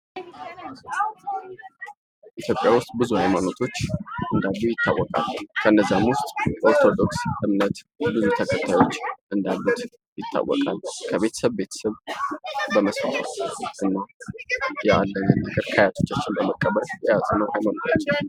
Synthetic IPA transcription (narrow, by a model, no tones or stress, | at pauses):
ʔit̪ʰjopʼjawʊst̪ʼbɨzuhajmano̞t̪ʰo̞t͡ʃːʔɨnd̪alːujɪt̪ʰːa̰wːɔkʼa̰lːkʰəʔɨnːəzːamʊst̪ʼoɾt̪ʰo̞d̪o̞ksʔɨmnət̪ | bɨzut̪ʰəkʰət̪ʰajo̞t͡ʃːʔɨnd̪alːut̪ | jɪt̪ʰːa̰wːɔ̰kʼalkʰəβe̞t̪ʰə̥səβbe̞t̪ʰə̥səβ | bəməsfa̰fa̰ʔɨnːa | jɛalːəɲənːəɡəɾkʰəjat̪ʰo̞t͡ʃːat͡ʃːɪnbəməkʼːəβəɾjɛjazʼənəwhajmano̞t̪ʰot͡ʃː